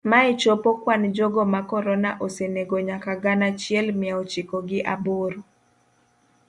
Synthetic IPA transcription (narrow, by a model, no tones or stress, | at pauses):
maet͡ʃɔpɔkwand͡ʒɔɡɔmakɔɾɔnaʔoseneɡoɲakaɡanat͡ʃjɛlmɪaot͡ʃɪkɔɡɪʔa̰boɾo